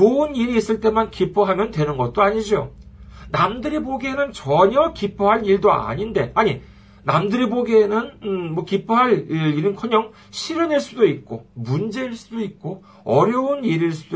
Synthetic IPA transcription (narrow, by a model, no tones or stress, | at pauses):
oɯniɾiːs͈ɯɭt͈e̞mankipʰoɦamjʌntwe̞nɯnɡʌt̚t͈oaɲid͡ʑonamdɯɾiboɡienɯnt͡ɕʌɲʌkipʰoɦaɾiɭdoa̰ɲinde̞aɲi | namdɯɾiboɡiːnɯnmwʌkipʰoɦaɾiɾɯnkʰʌɲʌŋ | ɕʰiɾɯneɭs͈udoit̚k͈omund͡ʑe̞iɭs͈udoit̚k͈o | ʌɾjʌuniɾiɭs͈udo